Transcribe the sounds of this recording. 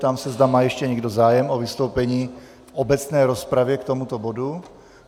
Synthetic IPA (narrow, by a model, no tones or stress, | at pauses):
t̪amsɛzd̪amaːjɛʃcɛɲɛɡdozaːjɛmovɪst̪owpɛɲiː | fʔobɛt͡snɛːɾospɾavjɛkt̪omut̪obodu